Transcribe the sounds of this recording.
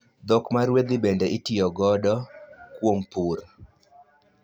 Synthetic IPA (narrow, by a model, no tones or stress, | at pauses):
d̪ɔkmarwed̪ibendɛʔitɪɔɡɔdɔkwompuɾ